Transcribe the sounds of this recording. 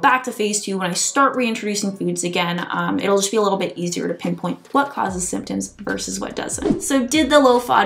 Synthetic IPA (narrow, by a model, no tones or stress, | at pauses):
bæk̚tʰɨfeɪstʰʉwə̃ñaɪstɑɹʔ̚ɹiɪ̃nt͡ʃɹ̥ɨdʉsɪ̃ŋfʉdzɨɡɛ̃nʌ̃mɪ̰ɾl̩ˠd͡ʒʌsb̥iəlɪɾl̩ˠbɪɾiziə̰˞ɾɨpʰɪ̃npʰɔ̃ɪ̃ntwʌt̚kʰɔ̰zɨz̥sɪ̰̃mp̚tɨ̃mzvɜ̰˞sɨzwʌ̰t̚d̥ʌ̰zɨ̰̃ntsoʊdɪd̪̚ðəloʊfɑ̰